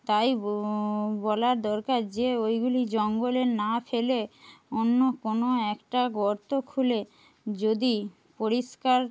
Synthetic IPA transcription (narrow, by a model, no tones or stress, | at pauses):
t̪aj | bɔlaɾd̪ɔɾkaɾd͡ʑeojɡulid͡ʑɔŋɡolenafeleonːokonoɛkʈaɡɔɾt̪okʰule | d͡ʑod̪i | poɾiʃkaɾ